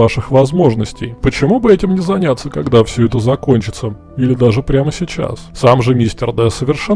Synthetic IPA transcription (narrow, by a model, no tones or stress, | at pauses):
aʂɨxvɐzmo̞ʐnəsʲtʲɪjpət͡ɕɪmubɨɛtʲɪmnʲɪzɐnʲat̪sːəkɐɡd̪afsʲɵɛt̪əzɐko̞nʲt͡ɕɪt̪sə | ilʲɪd̪aʐɨpɾʲaməsʲɪt͡ɕa̰ssamʐɨmʲisʲtʲɪrd̪ɛsəvʲɪrʂɛ